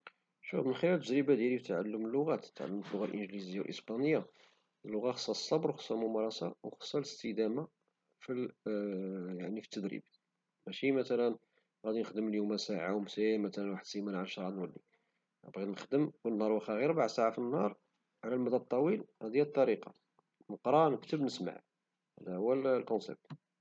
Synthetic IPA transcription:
ʃufmənxɪlælt̪ːəd̪ɾəbad̪jælift̪ʕa̰lːəməlːʊɣæt̪t̪ːʕa̰lːəmt̪əlːʊɣalʔənʒlizəijːawlʔə̰sbɑnəjːa | əlːʊɣaxə̥sˤːɑsˤːɑbɾwxə̥sˤːɑlmʊmɑɾˤɑsɑwxə̥sˤːɑləst̪əd̪æma | fi | jaʕnifi̥t̪ːəd̪ɾḭb | mæʃimæt̪ælən | ɣæd̪inəxd̪əməljumæsaʕawmsæjmæt̪ælænwaħəd̪simænʕalʃɾˤɑd̪nwəlːi | æ̰bɣid̪nəxd̪əmwənnːhɑɾˤwəxæɣiɾbaʕsaʕafinːhɑɾˤ | ʕlælmæd̪æt̪ˤːɑwilæd̪jælət̪ˤːɑɾiqɑ̰ | məqɾˤɑnəkt̪əbnəsma̰ʕ | hæ̰d̪æʊwællkɔnsɛ̰b̚t̪

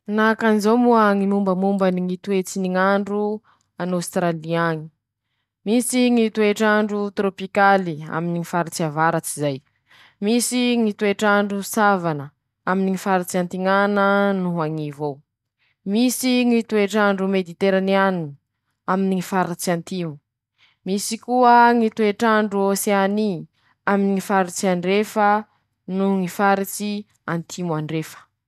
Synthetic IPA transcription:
nakanizowmuaŋimumbəmumbəniŋit̪uet͡siniŋaɳɖ͡ʐu | anowst̪ɾaliaŋi̥ | misiŋit̪ueʈ͡ʂaɳɖ͡ʐut̪ɾopikalia̰miniŋifaɾat͡siavaɾat͡sizaj | misiŋit̪ueʈ͡ʂaɳɖ͡ʐusavanə | aminiŋifaɾat͡siant̪iŋanənuɦaŋivow | misiŋit̪ueʈ͡ʂaɳɖ͡ʐumed̪it̪eɾanianuni | aminiŋifaɾat͡siant̪imu | misikuəŋit̪ueʈ͡ʂaɳɖ͡ʐuoseani | aminiŋifaɾit͡siaɳɖ͡ʐefə | nuŋifaɾit͡si | ant̪ʰimuaɳɖ͡ʐefə̥

